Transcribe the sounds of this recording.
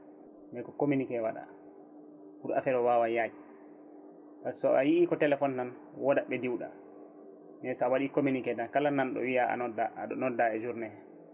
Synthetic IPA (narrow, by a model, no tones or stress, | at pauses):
mɛkɔkominikɛwaɗa̰ | fuɾa̰fɛɾɔwawajaji | tasɔʔajiʔikɔtɛlɛfɔnːan | wɔdaɓɛdiwɗa̰ | mɛsɔawaɗikominikɛdakalanːanɗɔ̰wiaa̰nɔdaaɗɔnɔdːaɛd͡ʒuɾnɛ